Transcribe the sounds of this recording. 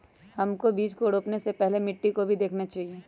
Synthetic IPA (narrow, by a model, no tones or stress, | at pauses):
hɐmkobiːt͡ʃkoɽoːpnesepɛɦlemɪʈːikobʱid̪eːkʰnat͡ʃaːɦieː